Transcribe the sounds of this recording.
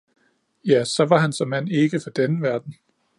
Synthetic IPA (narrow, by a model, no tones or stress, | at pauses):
jæsɒ̽ʋɑ̈ɦænsɒ̽mːæn̰e̝ɡ̥əfɒ̽d̥enəʋæɐd̥n̩